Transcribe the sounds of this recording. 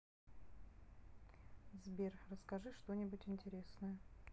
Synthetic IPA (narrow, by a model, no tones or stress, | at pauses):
zbʲerrəskɐʐɨʂt̪o̞nʲɪbʊtʲɪnʲtʲɪɾʲesnəjə